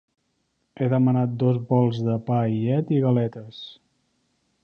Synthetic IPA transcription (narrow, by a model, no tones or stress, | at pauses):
eðəmənat̪̚d̪ɔzbɔlˠzðəpaiɛt̪iɣəlɛt̪əs